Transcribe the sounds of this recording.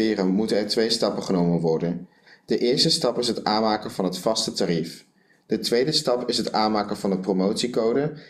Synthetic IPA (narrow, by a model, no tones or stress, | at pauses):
ɪːrəmutənɛɹtʋejstɑpəχənowmənʋɔɹdən | dəʔɪːɹstəstɑpɪsɦətaːnmaːkənvɑnɦətfɑstətarif | d̥ətʋejdəstɑpɪsɦətaːnmaːkənvɑnəpromowtsikowdə